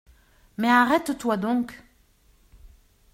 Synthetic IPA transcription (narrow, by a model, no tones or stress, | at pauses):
mɛaʁɛt̪t̪wad̪ɔ̃k